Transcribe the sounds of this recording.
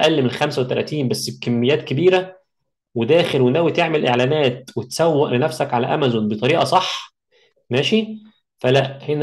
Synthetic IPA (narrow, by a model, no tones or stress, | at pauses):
ʔælːemelxæmsæwet̪ːælæːt̪iːnbæsːbekæmːejːæːt̪̚kebiːɾæ | wed̪æːxelwenæːwit̪eʕmelʔeʕlæːnæːt̪̚wet̪sæwːæʔlenæfsækʕalæʔæ̰mæzonbet̪ˤɑɾiːʔɑsˤɑħː | mæːʃi | fælæʔhen